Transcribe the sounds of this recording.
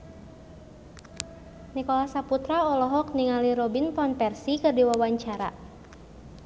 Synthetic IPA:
nikɔlahsaput̪ɾaɔlɔɦɔk̚niŋaliɾɔbinpɔnpɛrsikɨrdiwawaɲt͡ʃaɾa̰

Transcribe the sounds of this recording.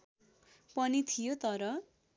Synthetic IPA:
pʌnit̪ʰijot̪ʌɾʌ

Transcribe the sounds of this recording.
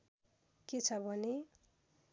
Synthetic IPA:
ket͡sʰʌbʱʌne

